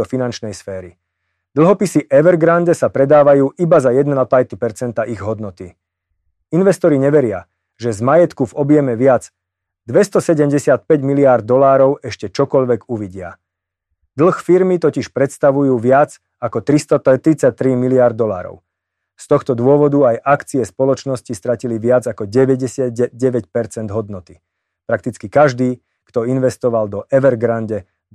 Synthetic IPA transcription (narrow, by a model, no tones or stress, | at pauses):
ɔfinant͡ʃnɛjsfɛːɾi | d̪l̩ˠɦɔpisiʔɛʋɛɾɡɾanɟɛsapɾɛd̪aːʋajuːʔibazajɛd̪napajt̪ipɛɾt͡sɛnt̪aʔiɣɦɔd̪nɔt̪i | inʋɛst̪ɔɾiɲɛʋɛɾɪa̰ | ʒɛzmajɛt̪kuvɔbjɛmɛʋɪad͡z | d̪ʋɛst̪ɔsɛɟɛmɟɛsɪat̪̚pɛɟmiliaɾd̪̚d̪ːɔlaːɾɔʊɛʃcɛt͡ʃɔkɔʎʋɛɡuʋiɟɪa̰ | d̪l̩ˠxfiɾmit̪ɔciʃpɾɛt̪st̪aʋujuːʋɪad͡z | akɔt̪ɾist̪ɔt̪ɾit͡sac̚t̪ɾimiliaɾd̪ːɔla̰ːɾɔ̰ʊ | st̪ɔxt̪ɔd̪ʊɔʋɔd̪uajʔakt͡siɛspɔlɔt͡ʃnɔscist̪ɾaciliʋɪad͡zakɔɟɛʋɛɟɛsɪad̪ɛɟɛʋɛcpɛɾt͡sɛnd̪ɦɔd̪nɔt̪i | pɾak̚t̪it͡skikaʒd̪iː | kt̪ɔinʋɛst̪ɔʋald̪ɔʔɛʋɛɾɡɾanɟɛ